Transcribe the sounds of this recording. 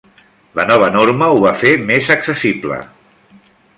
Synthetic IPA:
lənɔβ̞ənoɾməuβafemezəksəsiblə̰

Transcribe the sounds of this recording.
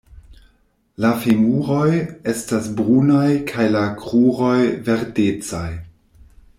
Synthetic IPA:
lafimuɾo̞je̞stasbɾunajkʰajlakʁuɾo̞jveɾdet͡saj

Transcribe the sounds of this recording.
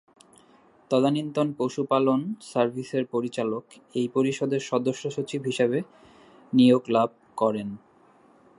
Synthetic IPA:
t̪ɔd̪anint̪onpoʃupalonsaɾbʱiseɾpoɾit͡ɕalok | ejpoɾiʃod̪eɾʃɔd̪oʃːoʃot͡ɕibʱɦiʃeβe | nijoɡlab̚ʱkɔɾen

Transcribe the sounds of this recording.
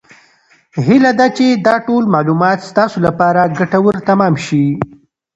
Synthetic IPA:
hilad̪at͡ʃed̪ɑʈolmɑlumɑt̪st̪ɑsolapɑɾaɡaʈawəɾt̪amɑmʃi

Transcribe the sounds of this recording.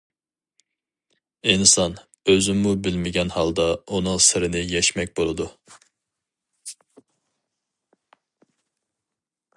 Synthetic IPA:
insɑn | øzymmubɪlmɪɡʲɛnhɑlˠd̪ɑunʊŋsɪɾɪnɪjɛʃmɛk̚ʲbolˠɨd̪u

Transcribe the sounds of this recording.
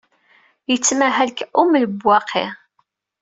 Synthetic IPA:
jət͡sːmæɦælkumləbwːɑqʰːḛ

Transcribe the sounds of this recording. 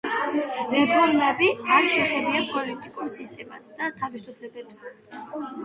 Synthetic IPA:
ɾɛpʰɔɾmɛbiaɾʃɛχɛbiapʼɔlit̪ʼikʼulˠsist̪ʼɛma̰sd̪at̪ʰavisupʰlɛbɛps

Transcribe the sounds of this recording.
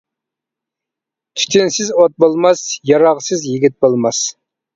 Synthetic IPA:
t̪ʰy̥t̪ʰɪnsɪzot̪̚bolˠmɑsjɑɾɑʁsɨzjiɡʲit̪̚bolˠmɑs

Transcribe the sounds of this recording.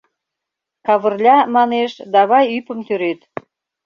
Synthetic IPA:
kɑβə̆rlʲɑmɑneʃd̪ɑβɑjypə̆mt̪øɾet̪

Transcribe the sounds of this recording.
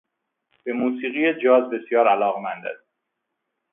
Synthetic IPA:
b̥emuːsiːɣijed͡ʒɒːzbe̞sjɒːɾælɒːɣmænd̪æ̰s

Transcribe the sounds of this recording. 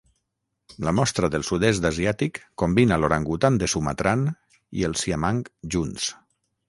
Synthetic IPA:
lamɔst̪ɾəðəlˠsuðesd̪aziat̪ikːombinaloɾaŋɡut̪and̪əsumat̪ɾan | ḭəlˠsiamaŋkʒuns

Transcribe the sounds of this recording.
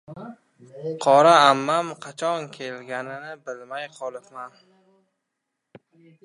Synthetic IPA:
qʰɒɾaamːamqʰɑt͡ʃʰɒnkʲʰe̞lɡʲanɪnɪbɪlmajqʰɒlˠɪpman

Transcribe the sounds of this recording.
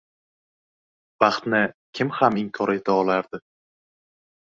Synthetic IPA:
b̥ɑχt̪nɪkʲʰɪmhamɪmkʰɒɾe̞t̪ʰaɒlˠaɾd̪ɪ

